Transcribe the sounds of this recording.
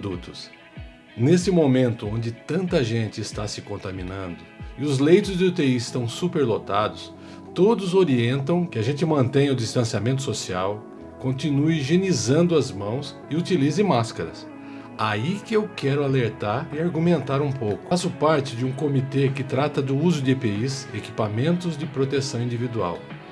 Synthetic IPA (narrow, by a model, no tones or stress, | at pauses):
d̪ut̪ʊs | nesɪmomẽnt̪ʊõnd͡ʒɪt̪ɐ̃nt̪ɐʒẽnt͡ʃ̪ɪːst̪asɪkõnt̪amĩnɐ̃nd̪ʊɪʊzlejt̪ʊzd͡ʒ̪ɪut̪eiɪst̪ɐ̃w̃supeɾlot̪ad̪ʊs | t̪od̪ʊzoɾiẽnt̪ɐ̃w̃kɪaʒẽnt͡ʃ̪ɪmɐ̃nt̪ẽj̃ʊd͡ʒist̪ɐ̃siamẽnt̪̬ʊsosiaw | kõnt̪inuɪiʒenizɐ̃nd̪ʊɐzmɐ̃w̃s | ɪut̪ilizɪmaskɐɾɐ̰s | aikɪewkɛɾʊaleɾt̪aɾɪaɾɡumẽnt̪aɾũpowkʊasʊpaɾt͡ʃɪd͡ʒɪũkomit̪ekɪt̪ɾat̪ɐd̪ʊuzʊd̪ɪepeiseki̥pamẽnt̪ʊzd͡ʒɪpɾot̪esɐ̃w̃ĩnd͡ʒivid̪ua̰w